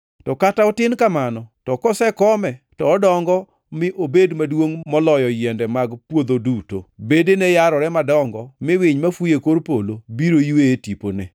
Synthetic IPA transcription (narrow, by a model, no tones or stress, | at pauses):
tɔkataɔtɪnkamanɔtɔkɔsɛkɔmɛtɔːdɔŋɡɔ | mɪʔobedmadwoŋmɔlɔjɔjɛndɛmaɡpwod̪oduto̰bedenɛjaɾɔɾɛmadɔŋɡɔmɪwɪɲmafujekoɾpolobiɾoiweːtipo̰nḛ